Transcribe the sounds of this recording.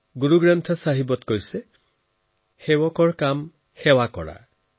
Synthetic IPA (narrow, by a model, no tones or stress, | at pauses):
ɡuɾuɡɾant̪ʰɔsaɦibɔt̪kɔjse | hewɔkɔɹkam | hewakɔ̰ɽa̰